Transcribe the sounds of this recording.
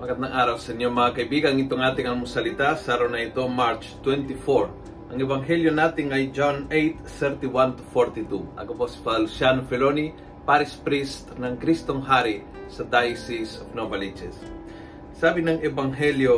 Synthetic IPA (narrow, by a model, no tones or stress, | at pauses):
makat̪̚nɐŋʔaɾawsɛnomɐŋakɐjbiɡaŋit̪oŋat̪ɪŋaŋmʊsɐlɪt̪asaɾawnɐit̪omaɾt͡ʃt̪wɛnt̪ifoɹ | ʔɐŋɛbaŋɦɛljonat̪ɪŋɐjd͡ʒonejt̪̚θɛɾt̪iwant̪u̥foɾt̪it̪uʔɐ̰kopospad̪alusjanofɛloni | paɾispɾist̪nɐŋkɾist̪oŋɦaɾi | sɐd̪ajsisofnobalid͡ʒɛs | sabɪnɐŋɛbaŋɦɛljo